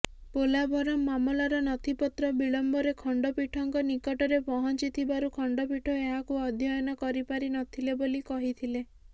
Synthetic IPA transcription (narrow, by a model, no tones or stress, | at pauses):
polabʱɔɾɔmːamɔlaɾɔnɔt̪ʰipɔt̪ɾɔbiɭɔmbɔɾekʰɔɳɖɔpiʈʰɔŋkɔnikɔʈɔɾepɔɦɔnt͡ʃit̪ʰibaɾukʰɔɳɖɔpiʈʰɔeɦakuɔd̪ʱjɔjɔnɔkɔɾipaɾinɔt̪ʰilebolikɔɦit̪ʰile